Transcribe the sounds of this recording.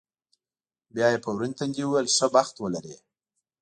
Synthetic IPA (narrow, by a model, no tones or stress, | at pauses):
bjɑjepəwɾunt̪and̪iwuwejlsəbaxt̪wəlaɾe